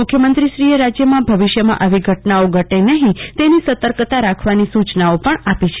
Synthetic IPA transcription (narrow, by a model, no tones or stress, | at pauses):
mʊkʰjəmənt̪ɾiʃɾieɾad͡ʒjəmãbʱəʋiʃjəmã̰ʔəʋiɡʱəʈnaoɡʱəʈenəɦĩt̪enisət̪əɾkt̪aɾakʰʋanisut͡ʃnaopəɳapit͡ʃʰe̥